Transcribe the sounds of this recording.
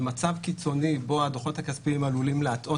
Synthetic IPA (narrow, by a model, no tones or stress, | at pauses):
mat͡savkit͡so̞nibo̞ad̪oχo̞t̪hakaspiimalulimleatʔo̞